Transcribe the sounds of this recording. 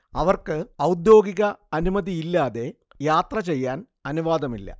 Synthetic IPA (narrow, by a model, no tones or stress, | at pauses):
ɐʋɐrkɨɐwd̪jo̞ːɡiɣɐɐnumɐðiilːaːðe̞ | jaːt̪rɐt͡ɕe̞jːaːn | ɐnuʋaːd̪ɐmilːɐ̰